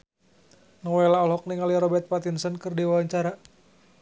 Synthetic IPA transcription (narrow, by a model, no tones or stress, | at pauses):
nɔwɛlaɔlɦɔk̚niŋaliaɾɔbɛrt̪̚pat̪insənkɨrdiwawaɲt͡ʃaɾa